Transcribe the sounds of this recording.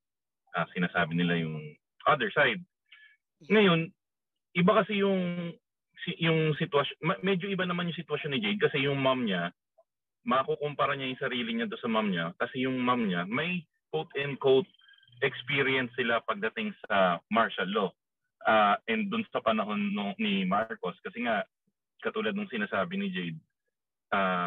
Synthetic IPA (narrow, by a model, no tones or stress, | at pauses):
ʔɐsɪnaːsaːbɪnɪlajʊŋ | ʔɐd̪ɛɹsajd̪̚ | ŋɐjo̞n | ʔɪbakɐsɛjʊŋ | sjʊŋsɪt̪wɐʃonmɐmɛd͡ʒo̞ʔɪbanɐmanjʊŋsɪt̪wɐʃonːɪd͡ʒejd̪̚kɐsɛjʊŋmamɲa | mɐɐkokompɐɾɐɲajʊŋsɐɾiːlɪɲad̪onsɐmamɲakɐsɛjʊŋmamɲamɐj | kowt̪ɛnd̪̚kowt̪̚ | ʔɛkspiɾiɛnsːɪlapɐɡ̚d̪ɐt̪ɪŋsɐmaɹʃɐlːo̞ | ʔaːʔɛnd̪ʊnsɐpɐnɐɦo̞nːoːɪmaɹko̞skɐsɛŋa | kɐt̪uːlɐd̪̚nʊŋsɪnaːsaːbɪnɪd͡ʒejd̪̚ | ʔaː